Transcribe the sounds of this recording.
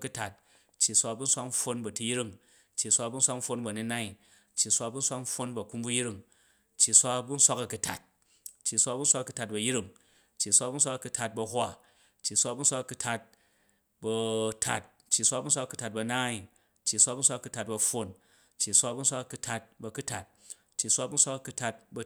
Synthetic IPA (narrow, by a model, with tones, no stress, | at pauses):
ku˧ta˨t̚ | t͡ʃːi˨sʷa˧bu˦n̩˦sʷa˦km̩˦ɸo˧nbɐ˨tu˧ji˦ɾi˦ŋ | t͡ʃːi˨sʷa˧bu˦n̩˦sʷa˦km̩˦ɸo˧nbɐ˨ni˦na˦i˨ | t͡ʃːi˨sʷa˧bu˦n̩˦sʷa˦km̩˦ɸo˦nbɐ˨ku˦mbu˦ji˦ɾi˦˧ŋ | t͡ʃːi˨sʷa˦bu˦n̩˦sʷa˦kɐ˨ku˨tʰa̰˨t̚ | t͡ʃːi˨sʷa˦˧bu˦n̩sʷa˦kɐ˨˧ku˧ta˧t̚bɐ˨ji˦ɾi˦˨ŋ | t͡ʃːi˨sʷa˧bu˦n̩sʷa˦kɐ˨˧ku˧tʰa˧t̚bɐ˧ɦʷa˦ | t͡ʃːi˨sʷa˧˦bu˦n̩˦sʷa˦kɐ˨ku˧tʰa˧t̚ | bɐ˧tʰa̰˦t̚ | t͡ʃːi˨sʷa˦bu˦n̩sʷa˦kɐ˨˧ku̥˨˧ta˨t̚bɐ˧naː˦i˨ | t͡ʃːi˨sʷa˦bu˦n̩sʷa˦kɐ˧ku˧ta˨t̚bɐ˧ɸo˦n | t͡ʃːi˨sʷa˦bu˦n̩˦sʷa˦kɐ˨ku˧tʰa˧t̚bɐ˧ku˦tʰa˨t̚ | t͡ʃːi˨sʷa˦˧bu˦n̩˦sʷa˦kɐ˧ku˧tʰa˧t̚bɐ˧